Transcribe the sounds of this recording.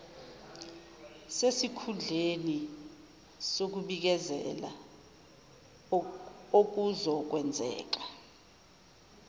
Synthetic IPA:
sesikʰund͡ɮʱeni | sok̬uɓik̬ɛzɛ̰la̰ | ok̬uzɔk̬wɛnd͡zʱɛ̰ːk̬ḁ

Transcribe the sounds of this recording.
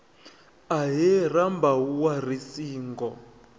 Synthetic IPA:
aɦɛrambauwarisiːŋɡɔ

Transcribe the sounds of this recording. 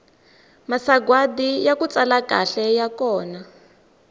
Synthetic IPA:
masaɡwadijakut͡salaka̰ɬɛjakɔːna

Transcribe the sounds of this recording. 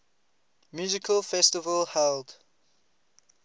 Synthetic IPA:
mjuːzɪkʰəlfɛstɪvəlhɛld

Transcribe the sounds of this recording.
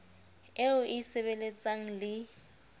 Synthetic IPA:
eʊʔɪsɪβelet͡sʼaŋ̩lɪ

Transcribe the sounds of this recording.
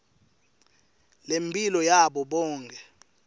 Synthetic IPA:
lempʼilɔjaɓɔɓɔːŋkʰɛ

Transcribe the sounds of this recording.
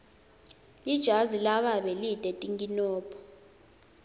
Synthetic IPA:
lid̥ʒ̥ʱazilaɓaɓɛlidʼɛtʼiŋɡinɔːpʰɔ̥

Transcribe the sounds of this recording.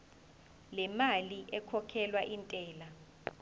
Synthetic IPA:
lɛmaliʔɛkʰɔkʰɛlwaʔintʼɛːla

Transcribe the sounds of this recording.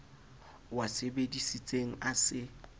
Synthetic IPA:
wasebedisit͡sʼeŋ̩asɪ

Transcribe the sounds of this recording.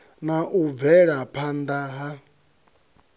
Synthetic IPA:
naʔuvɛɺapʰand̪aɦa

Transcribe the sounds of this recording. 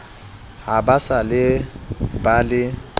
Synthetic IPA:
habasalɪ | balɪ

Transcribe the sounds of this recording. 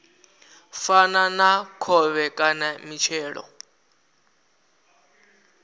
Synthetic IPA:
fananakʰɔβɛkʼanamit͡ʃʰɛːɺɔ̰

